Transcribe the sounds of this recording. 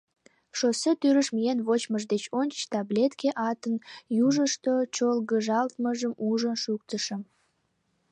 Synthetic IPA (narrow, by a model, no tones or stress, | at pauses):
ʃosət̪yɾəʃmijenβot͡ɕməʒd̪et͡ɕonʲt͡ɕt̪ɑblʲet̪keʔɑt̪ənjuʒəʃt̪ot͡ɕolɣəʒɑlt̪məʒəmuʒənʃukt̪əʃəm